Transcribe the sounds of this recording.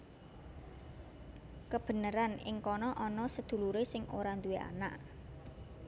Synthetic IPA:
kəb̥ə̤nəɾanɪ̰ŋkɔnɔʔɔnɔsəd̪̥ṳluɾesɪŋoɾand̪uweʔa̰na̰ʔ

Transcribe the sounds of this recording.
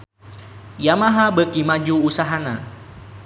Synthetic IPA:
jamaɦabəkimad͡ʒuːsaɦana̰

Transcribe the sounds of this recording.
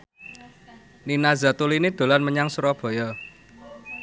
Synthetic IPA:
ninazat̪ulinid̪̥o̤lanməɲaŋsuɾɔb̥ɔ̤jɔ

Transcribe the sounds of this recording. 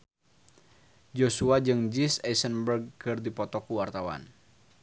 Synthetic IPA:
d͡ʒosuad͡ʒɨŋd͡ʒisɛsənbərɡ̚kɨrdipɔt̪ɔkuwart̪awa̰n

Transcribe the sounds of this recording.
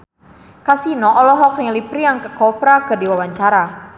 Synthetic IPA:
kasinɔʔɔlɔɦɔk̚nɪŋlipɾiaŋkəkɔpɾakərdiwawaɲt͡ʃaɾa

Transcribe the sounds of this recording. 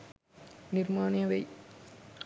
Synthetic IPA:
nɪrmaːnjɐʋɐɪ

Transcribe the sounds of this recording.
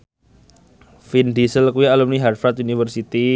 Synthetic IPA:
findisəlkuialumniɦarfat̪̚unifərsit̪i

